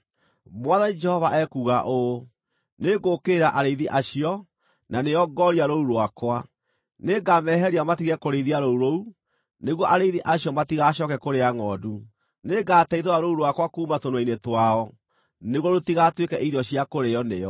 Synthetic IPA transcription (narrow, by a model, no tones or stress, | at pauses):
mwaðanid͡ʒɛhɔvaʔɛkuːɣaʔo | neɡokeːɾaʔaɾeiðiʔaɕiɔ | naneɔɡɔɾiaɾouɾwakwa | neɡamɛːɦɛɾiamatiɣɛkoɾeiðiaɾouɾou | neɣwɔʔaɾeðiʔaɕiɔmatiɣaɕɔkɛkoɾeaŋɔːdu | neɡaːtɛiðoɾaɾouɾwakwakuːmatonwainetwaɔ | neɣwɔɾotiɣatwekɛʔiɾɔɕiakoɾeɔneɔ